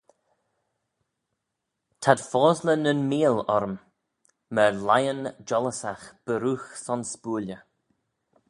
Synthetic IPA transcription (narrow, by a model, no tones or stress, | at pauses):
t̪ʰad̪̥fɔːzlənənmiːlɔɾm | məlajənd͡ʒɔləsaxb̥əɾuːxsɔnspuːlə